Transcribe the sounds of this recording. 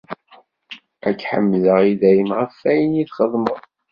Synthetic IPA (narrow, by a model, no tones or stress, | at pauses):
ækːħə̰mːləʁiðæjəmʁəfːæjənjiθχəðˤməðˤ